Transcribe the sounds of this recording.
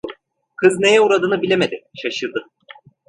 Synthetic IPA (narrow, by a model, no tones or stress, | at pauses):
kʰɯzne̞jɛuɾad̪ɯːnɯbilʲemed̪ɪʃaʃɯɾd̪ɯ